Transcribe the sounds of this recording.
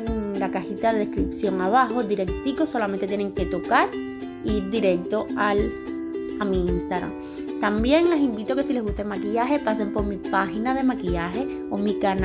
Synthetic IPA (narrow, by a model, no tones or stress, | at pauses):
ŋlakaxit̪aðe̞ðeskɾipsjo̞ŋaβaxo̞d̪iɾe̞k̚t̪iko̞so̞lament̪et̪jene̞ŋke̞t̪o̞kaɾ | iɾd̪iɾe̞k̚t̪o̞al | amiinst̪aɣɾa̰m | t̪ambje̞ŋlesimbit̪o̞ke̞sile̞zɣust̪emakiʝaɦepase̞mpo̞ɾmipaxinaðe̞makiʝaɦe̞ | omikan